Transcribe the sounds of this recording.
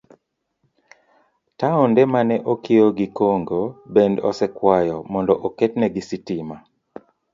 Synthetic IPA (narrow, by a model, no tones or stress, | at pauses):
taɔndɛmanɛʔokʰioɡikoŋɡobendɔ̰sɛkwajɔmɔndɔʔoketnɛɡisitima